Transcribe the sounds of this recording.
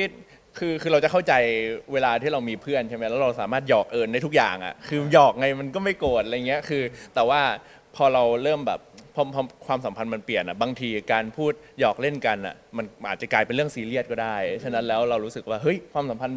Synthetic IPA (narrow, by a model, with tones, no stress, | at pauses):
kʰi˦˥˩t̪̚ | kʰɯː˧kʰɯː˧ɾa˧wt͡ɕa˨˩kʰa˥˩wt͡ɕa˧jweː˧laː˧t̪ʰiː˥˩ɾa˧wmiː˧pʰɯ˥˩ənt͡ɕʰa˥˩ma˦˥jɛː˦˥ɾa˧wsaː˩˦maː˥˩t̪̚jɔː˨˩k̚ʔɤː˧nda˥˩t̪ʰu˦˥k̚ja̰ː˨˩ŋʔa̰˨˩kʰɯː˧jɔː˨˩k̚ŋa˧jma˧nkɔː˥˩ma˥˩jkoː˨˩t̪̚ʔa˧jŋi˦˥ɐkʰɯː˧t̪ɛː˨˩waː˥˩ | pʰɔː˧ɾa˧wɾɤː˥˩mbɛ̰ː˨˩p̚pʰːɔ˧pʰɔ˧kʰwaː˧msa˨˩˦mpʰa˧nma˧npli˨˩ənʔa˨˩baː˧ŋt̪ʰiː˧kaː˧npʰuː˥˩t̪̚jɔː˨˩k̚le˥˩nka˧nʔa̰˨˩ma˧nʔaː˨˩t̪̚t͡ɕa˨˩klaː˧jpe˧nɾɯ˥˩əŋsiː˧li˥˩ət̪̚kɔː˥˩daː˥˩jt͡ɕʰa˥˩na˦˥nlɛː˦˥wɾa˧wɾuː˦˥sɯ˨˩k̚waː˥˩hɤ˦˥˩jkʰwaː˧msa˨˦mpʰa˧n